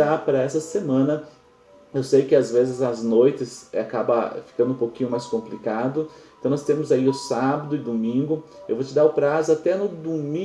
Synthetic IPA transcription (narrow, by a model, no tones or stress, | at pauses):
apɾɐɛsɐsemɐ̃nɐ | ewsejkɪazvezɪzɐznojt̪ɪsakabɐ̰fi̥kɐ̃nd̪ʊ̃ũpowkĩɲʊmajskõmplikad̪ʊẽt̪ɐ̃w̃nɔst̪ẽmʊzaiʊsabɐd̪ʊɪd̪omĩŋɡʊewvot͡ʃɪd̪aɾʊpɾazʊat̪ɛnʊd̪umĩ